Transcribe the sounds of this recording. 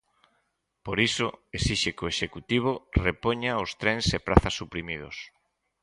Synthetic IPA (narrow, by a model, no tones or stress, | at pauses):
poɾisoesiʃekoeʃekut̪iβ̞orepoɲaost̪ɾɛnsepɾaθasːupɾimið̞o̰s